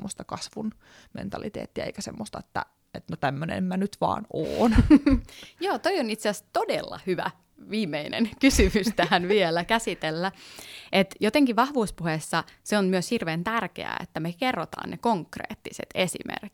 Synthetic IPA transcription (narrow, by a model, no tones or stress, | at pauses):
mːost̪ɑkɑsʋun | mḛnt̪ɑlit̪ḛːt̪ːiæ̰ḛikæsḛmːost̪ɑet̪ːæ̰ | et̪not̪æmːønḛmmænyt̪ʋɑ̰ːno̰ːn | joːt̪oionit̪seæst̪odelːɑ̰hyʋæ̰ | ʋiːmːeinḛnkysymyst̪æhænʋielækæsit̪elːæet̪jot̪eŋkiʋɑhʋuːspuhesːɑseonmyøshirʋeːnt̪ærkḛæ̰ḛt̪ːæmekerːot̪ɑ̰ːnnekoŋkrḛːt̪ːisḛt̪esḭmḛrk